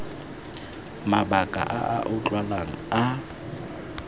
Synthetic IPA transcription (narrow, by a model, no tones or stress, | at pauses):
mabakʼa̰ʔaʔaʔʊt͡ɬʼwalaŋ̩a